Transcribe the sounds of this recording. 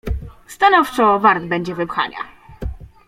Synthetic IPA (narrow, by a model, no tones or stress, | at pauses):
st̪anɔft͡ʂɔvaɾd̪bɛɲd͡ʑɛvɘpxa̰ɲa̰